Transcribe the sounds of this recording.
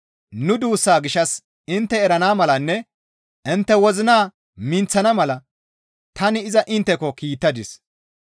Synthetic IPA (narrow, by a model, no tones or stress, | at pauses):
nʊd̪uːsːaːɡɪʃɐs | ɪnt̪ːɛɛɾɐnaːmɐlɐnːɛ | ʔɪnt̪ːɛwɔzɪnaː | mɪnt͡sːɐnɐmɐlɐ | t̪ɐnɪɪzɐʔɪnt̪ːɛkɔkiːt̪ːɐd̪ɪs